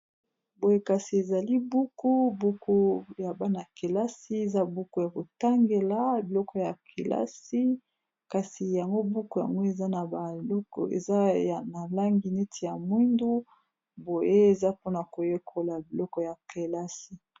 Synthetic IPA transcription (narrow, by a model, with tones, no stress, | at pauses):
bo˨je˦ka˨si˨e˨za˨li˦bu˦ku˦bu˦ku˦ja˨ba˦na˨ke˨la˦si˦e˨za˦bu˦ku˦ja˨ko˨ta˦ŋɡe˨la˨bi˨lɔ˦kɔ˨ja˨kʰe˨lʔa̰˦si˦ | ka˨si˨ja˨ŋɡo˦bu˦ku˨ja̰˨ŋɡo˦e˨za˦na˨ba˨lɔ˦kɔ̰˨ḛ˨za˦a˨na˨la˦ŋɡi˨ne˦tʰi˨ja˨mwi˦ndu˦ | bo˨je˦e˨za˦po˦na˨ko˨je˦kʰo˨la˨bi˨lɔ˦kɔ˨ja˨ke˨la˦si˨